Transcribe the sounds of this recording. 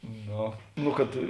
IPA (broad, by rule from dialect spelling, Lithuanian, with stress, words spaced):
ˈnoː ˈnʊ kɐt